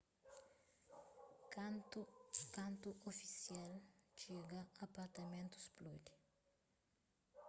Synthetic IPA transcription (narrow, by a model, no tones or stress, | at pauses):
k | kãnt̪uʔofisjalt͡ʃiɡɐapaɾt̪ɐmẽnt̪u̥splud̪i̥